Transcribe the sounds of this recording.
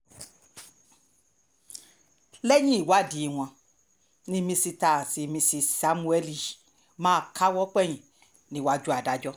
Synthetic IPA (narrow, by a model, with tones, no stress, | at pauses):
lɛ˦jĩ˦i˨wa˦di˨w̃ɔ̃˧ | nĩ˧mĩ˧si˧ta˨si˧mĩ˧si˧sa˧˦mũ˧ɛ˦li˦˨ | mãː˦˧kʰa˦wɔ˦k͡pɛ˦˨j̃ĩ˨ | nĩ˧˦wa˧d͡ʒu˦a˨da˨˦d͡ʒɔ˦